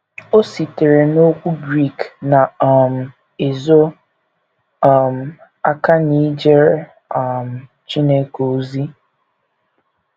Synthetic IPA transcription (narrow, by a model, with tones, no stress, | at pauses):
o˦si˨te˨ɾe˨no˦kʷu˦bɾi˦˨kna˨ɔ˦˨m̩˨ | e˨zo˦ | ɔ˦˨m̩˨ | a˦ka˦ni˦d͡ʒe˦ɾ | ɔ˦˨m̩˨ | t͡ʃi˦ne˦ko˨˦zi˦